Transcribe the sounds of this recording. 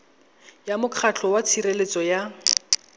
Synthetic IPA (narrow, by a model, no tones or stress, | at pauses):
jamʊkʰat͡ɬʰɔwat͡sʰirelet͡sɔja